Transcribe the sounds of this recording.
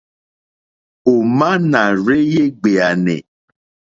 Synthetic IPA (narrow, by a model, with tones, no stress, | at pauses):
o˨mã˦nã˨ɾe˦je˦ɡ͡be˨a˨nɛ̰̃˨